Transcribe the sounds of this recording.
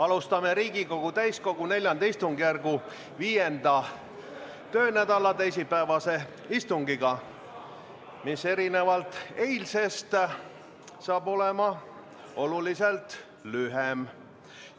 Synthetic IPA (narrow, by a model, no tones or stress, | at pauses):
ɑlust̪ɑme̞ɾiːɡiko̞ɡ̥ut̪æjsko̞ɡ̥une̞lʲjɑnd̪̥ɑist̪uŋɡ̥jærɡu | viːjend̪ɑ | t̪ø̞ːnæd̪ɑlɑt̪ejsipæevɑse̞ | ist̪uŋɡiɡ̥ɑ | misːe̞ɾine̞vɑlt̪e̞jlse̞st̪ | sɑːbo̞lemɑ | o̞luliselt̪ | lyɦem